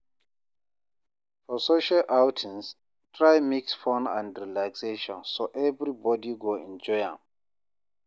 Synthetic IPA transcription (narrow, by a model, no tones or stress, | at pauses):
fɔsoʃalʔawtʰɛ̃ns | tʰɹajmiksfɔ̃nã̰ndɹilakseʃɔ̃nsoʔɛvɹibɔdiɡoɛ̰̃nd͡ʒɔjã̰m